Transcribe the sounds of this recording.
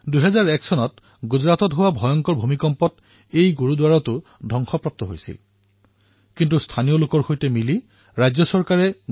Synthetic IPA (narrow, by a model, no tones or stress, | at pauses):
duɦɛzaɹɛksɔnɔt | ɡuzɹatɔtɦʊwabʱɔjɔŋkɔɹbʱumikɔmpɔt | ejɡuɹudwaɹɔtʊ | dʱɔŋxɔpɹɔp̚tɔɦojsḭl | kintustʰanijolʊkɔɹxojtɛmili | ɹajzɔsɔɹkaɹɛ